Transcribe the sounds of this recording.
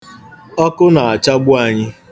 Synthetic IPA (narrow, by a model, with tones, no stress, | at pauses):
ɔ˦kʊ˦na˨a˨t͡ʃa˦ɡ͡bʊ˦a˨ɲɪ˦